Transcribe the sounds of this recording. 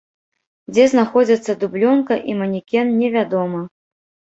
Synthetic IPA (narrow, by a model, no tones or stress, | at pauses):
d͡zʲɛznaxɔd͡zʲɐt̪sːɐd̪ublʲɔnkɐʔimɐnʲikʲɛnnʲɛvʲad̪ɔmɐ